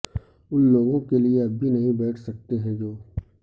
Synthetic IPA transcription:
ʊnloːɡõkelieɐbʱːinɐɦĩbɛːʈʰsɐk̚t̪eɦɛ̃d͡ʒoː

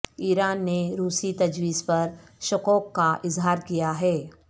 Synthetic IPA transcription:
iːɾaːnːeɾuːsit̪ɐd͡ʒwiːzpɐɾʃʊkɔːkːaʔɪzɦaːɾkijaɦɛː

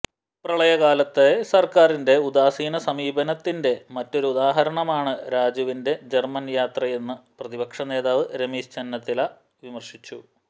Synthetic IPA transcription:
prɐɭɐjɐɣaːlɐt̪ːesɐrkaːrinde̞ud̪aːsiːnɐsɐmiːbɐnɐt̪ːinde̞mɐtːo̞ɾuud̪aːɦɐɾɐɳɐmaːɳɨɾaːd͡ʑɐʋinde̞d͡ʑe̞rmɐnjaːt̪rɐje̞nːɨprɐðibɐkʂɐne̞ːðaːʋɨɾe̞miːst͡ɕɐnːɐt̪ːila | ʋimɐrʂit͡ɕːu

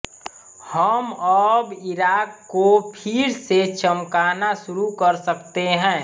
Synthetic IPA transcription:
həmɔːbɪɾaːkːopʰɪɾset͡ʃəmkaːnasʊɾukəɾsəkt̪eɦɛ̃ː

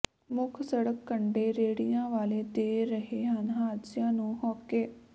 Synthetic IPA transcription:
mʊkʰsəɽəkːəɳɖeːɾeːɽijãːʋaːleːd̪eːɾəɦeːɦənɦaːd̪sjãːnũːhɔːkːeː

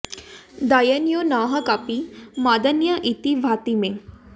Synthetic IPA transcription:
d̪ajənjonaːɦɐkapimaːd̪ənjəʔit̪iʋʱaːt̪imẽ

